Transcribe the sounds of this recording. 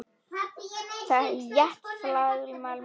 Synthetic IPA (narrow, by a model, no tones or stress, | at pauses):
θajɛhk̪flaːðʏɾimaːl